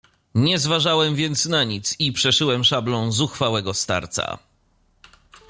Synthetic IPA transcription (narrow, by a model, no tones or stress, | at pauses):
ɲɛzvaʐawɛmvʲjɛnt̪snaɲit̪sipʂɛʂɘwɛmʂablɔ̃w̃zuxfawɛɡɔst̪a̰ɾt̪sa̰